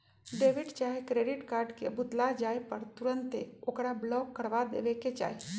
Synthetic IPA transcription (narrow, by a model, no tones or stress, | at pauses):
ɖeːʋɪʈt͡ʃaːɦekɾeːɖɪʈkaːɾɖkebʱʊt̪lad͡ʒaːepəɾt̪ʊɾə̃nt̪eokɾablɔːkːəɾʋad̪ḛːʋeket͡ʃa̰ːe